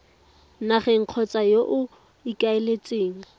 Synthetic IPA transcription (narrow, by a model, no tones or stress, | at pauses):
naχɛŋ̩q͡χʰɔt͡sʼajoʔʊ | ikʼaelet͡sʼeːŋ̩